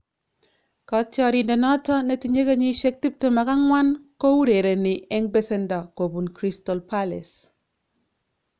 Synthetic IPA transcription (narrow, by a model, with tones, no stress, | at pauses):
kɔ˨tjɔ˦ɾi˨ndɛ˨nɔ˦tɔ˦ne˦ti˨ɲe˦ka˦ɲi˦ʃe˦k̚ti˦p̚te˦ma˨ka˦ŋwa˦nkɔ˦u˦ɾe˨ɾe˨nɪ˨ɛ˦ŋbe˦sɛ˦nda˨ko˨bu˨nkɾi˦stɔ˨lpa˦lɛ̰˨s